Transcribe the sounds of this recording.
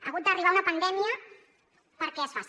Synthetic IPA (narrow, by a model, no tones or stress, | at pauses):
əɣut̪̚d̪əriβ̞aunəpənd̪ɛmiə | pəɾkɛesfas